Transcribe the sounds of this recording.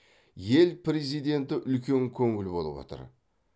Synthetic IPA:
je̞lpɾʲe̞zijd̪e̞nt̪ɪʔʏlkʲe̞ŋkʲʰɵŋɪlbo̞lˠəbwo̰t̪ə̰ɾ

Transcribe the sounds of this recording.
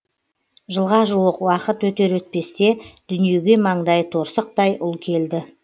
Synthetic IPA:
ʒəlˠʁɑʒuwəqwɑqət̪wɵt̪e̞ɾwɵt̪̚pe̞st̪e̞d̪̥ʏnije̞ɡʲe̞mɑɴd̪ɑjt̪ʰo̞ɾsəq̚t̪ɑjʔʊlˠkʲʰe̞ld̪ɪ

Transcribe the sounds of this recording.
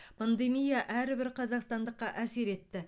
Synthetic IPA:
pʰand̪e̞mijaʔæɾɪbɪɾqʰɑzɑqst̪ɑnd̪əqːɑʔæse̞ɾe̞t̪ːɪ

